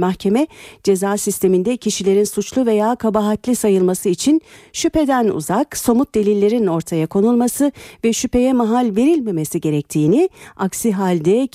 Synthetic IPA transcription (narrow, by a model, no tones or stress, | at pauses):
maxcʰe̞mɛd͡ʒe̞zaːsist̪ʰe̞mind̪ɛcʰiʃilʲe̞ɾinsut͡ʃlˠuve̞jaːkʰabaɦat̪lʲisajɯlˠmasɯit͡ʃʰinʃype̞d̪ænṵzakso̞mut̪̚d̪e̞lʲilʲːe̞ɾino̞ɾt̪ʰajakʰo̞nulˠmasɯvɛʃype̞jɛmaɦalʲve̞ɾilʲmeme̞siɟe̞ɾɛc̚t̪ʰiːniaksiɦalʲd̪ɛ